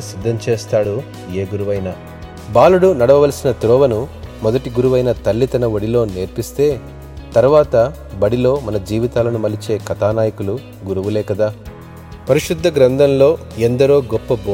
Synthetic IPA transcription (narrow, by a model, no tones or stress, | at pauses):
sid̪ʱːɐmt͡ʃeːst̪aːɽu | e̞ːɡuɾuʋɐjnaː | baːluɽunɐɽɐʋɐʋɐlɐsinɐt̪ɾɔːʋɐnumɔd̪ɐʈiɡuɾuʋɐjnɐt̪ɐlːit̪ɐnɐʋoɽilo̞ːneːɾpist̪e̞ː | t̪ɐɾuʋaːt̪ɐ | bɐɽilo̞ːmɐnɐd͡ʒiːʋit̪aːlɐnumɐlit͡ʃe̞ːkɐt̪aːnaːjɐkulu | ɡuɾuʋulɛːkɐd̪aː | pɐɾiʃud̪ʱːɐɡɾɐnd̪ʱɐnlo̞ː | end̪ɐɾoːɡɔpːɐb